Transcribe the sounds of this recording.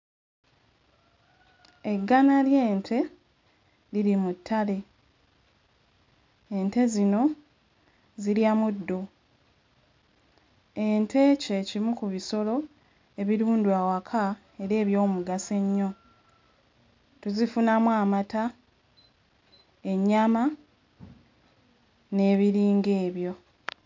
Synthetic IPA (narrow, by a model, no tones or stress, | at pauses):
e̞ɡːanalje̞ːntʰe̞ | liɾimutʰːale̞ | ente̞zino̞ | ziljamudːo̞ | entʰe̞ce̞cimukuβiso̞lo̞ | eβiɾuːndwaːwakʰa | e̞ɾe̞ːβjo̞ːmuɡase̞ɲːo̞ | tuzifunamwaːmata | e̞ɲːama | ne̞ːβiɾiːŋɡe̞ːβjo̞